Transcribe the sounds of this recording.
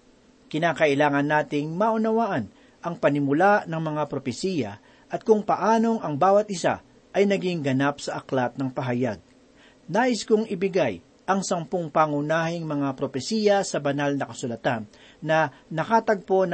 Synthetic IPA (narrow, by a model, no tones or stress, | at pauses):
kɪnaːkɐʔɪlaːŋɐnːaːt̪ɪŋmaʔʊnɐwaʔɐn | ʔɐŋpɐnɪmʊlaʔnɐŋmɐŋapɾo̞pɛsiːjɐ̰ | ʔɐt̪̚kʊŋpɐʔaːno̞ŋɐŋbaːwɐt̪̚ʔɪsa̰ | ʔɐjnɐɡɪŋɡɐnap̚sɐʔɐklat̪̚nɐŋpɐɦɐjaɡ̚ | naːʔɪskʊŋɪbɪɡaj | ʔɐŋsɐmpoŋpaŋʊnaːhɪŋmɐŋapɾopɛsiːjɐsɐbɐnalnɐkɐsʊlɐt̪anː | ɐnɐkaːt̪ɐɡ̚po̞n